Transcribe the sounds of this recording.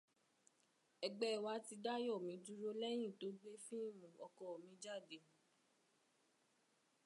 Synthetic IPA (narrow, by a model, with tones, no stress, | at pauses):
ɛ˧ɡ͡bɛ˦˨wa˧˦ti˧da˦jɔ˦˨mĩ˨˦du˦ɾo˦lɛ˦j̃ĩ˦˨to˨˦ɡ͡be˦fĩ˦i˦˨mũ˨ɔ˧kɔ˨o˨mĩ˧˦d͡ʒa˦˨de˨˦